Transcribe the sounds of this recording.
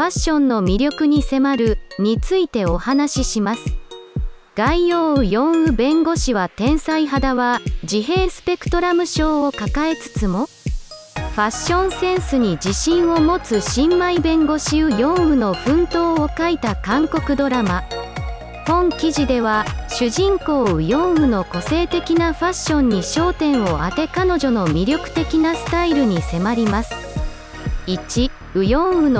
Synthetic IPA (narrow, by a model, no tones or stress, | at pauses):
ɸaɕːõ̞nːo̞mʲiɾʲo̞kɯ̟ɲ̟ise̞maɾɯ̟ɲ̟it͡sɨit̪e̞ohanaɕiɕimasɨ̥ | ɡ̥aijoːɯjõ̞ɰ̃ɯ̟bẽ̞ŋɡo̞ɕiβat̪ẽ̞ɰ̃saiɦad̪aβad͡ʑiɦe̞ːsɨ̥pe̞kɯ̟̥t̪o̞ɾamɯ̟ɕo̞ːkakae̞t͡sɨ̥t͡sɨmo̞ | ɸaɕːõ̞ɰ̃sẽ̞ɰ̃sɨɲ̟id͡ʑiɕĩɰ̃o̞mo̞t͡sɨɕĩmːaibẽ̞ŋɡo̞ɕiɯjõ̞ɰɯ̟no̞ɸɯ̟̃nt̪o̞ːokait̪akãŋko̞kɯ̟d̪o̞ɾama | hõ̞ŋkʲiʑid̪e̞βaɕɨʑĩŋko̞ːɯjõ̞ɰ̃ɯ̟no̞ko̞se̞ːt̪e̞kʲinaɸaɕːõ̞ɲ̟ːiɕo̞ːt̪ẽ̞ɰ̃o̞at̪e̞kano̞ʑo̞no̞mʲiɾʲo̞kɯ̟̥t̪e̞kʲinasɨ̥t̪aiɾɯ̟ɲ̟ise̞maɾʲimasɨ̥ | it͡ɕi | ɯ̟jõ̞ɰ̃ɯ̟no